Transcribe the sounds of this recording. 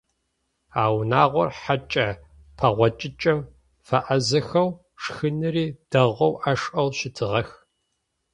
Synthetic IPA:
aːwnaːʁʷɔ̰rħat͡ʃʼɐ | pʰɐʁʷɔt͡ʃʼɪt͡ʃʼɐm | fɐʔɐzɐxɐw | ʂxɨnɨɾiːd̥ɐʁʷɐwʔaʂʼʔɐwʃɪtʰɨʁɐx

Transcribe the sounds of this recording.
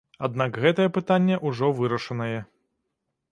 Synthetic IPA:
ad̪̚nakɣɛt̪ɐjɛpɨt̪anʲːɛʔuʐɔvɨɾɐʂɐnɐjɛ

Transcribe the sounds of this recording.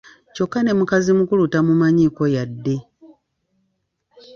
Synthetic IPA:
co̞kːane̞mukazimukulutamumaɲiko̞jadːe̞

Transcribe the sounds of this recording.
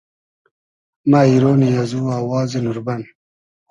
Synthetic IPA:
maːiɾoːnijazuːaːwɑːzenuɾban

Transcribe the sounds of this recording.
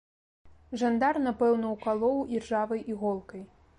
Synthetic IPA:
ʐand̪arnapɛwnɐwkalˠɔwʔirʐavɐjʔiɣɔlˠkɐj

